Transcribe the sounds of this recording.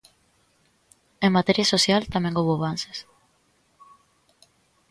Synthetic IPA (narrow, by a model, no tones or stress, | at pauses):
eŋmat̪eɾjasosjalt̪amẽŋɡoβoaβanse̥s